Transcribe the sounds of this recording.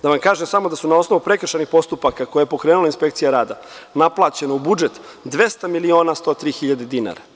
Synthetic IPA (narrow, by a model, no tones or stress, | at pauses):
d̪̥aʋamkaːʒemsamo̞d̪asunao̞sno̞ʋupɾe̞kr̩ʃanixpo̞st̪upakako̞jajepo̞kɾeːnulainspe̞k̚t̪sijaɾaːd̪anaplˠaːt͡ɕe̞noubud͡ʒe̞t̪ | d̪ʋe̞st̪amilio̞ːnast̪o̞ːt̪ɾiːxiʎad̪e̞d̪ina̰ːɾa